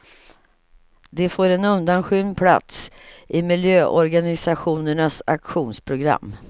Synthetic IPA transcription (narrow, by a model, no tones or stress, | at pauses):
d̪ɛfoːɾɛnɵnd̪anɧʏnpʰla̰t̪sʔɪmɪljøːʔɔɾɡanɪsaɧuːnəɳasakɧuːnspʰɾʊɡɾa̰mː